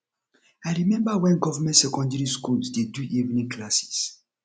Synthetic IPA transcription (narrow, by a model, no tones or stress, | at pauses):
aɪɹimɛ̃mbawɛ̃nɡɔvamɛ̃ntsɛkɔ̃ndɛɾiskulsdeduʔivnĩŋkʰlasi̥s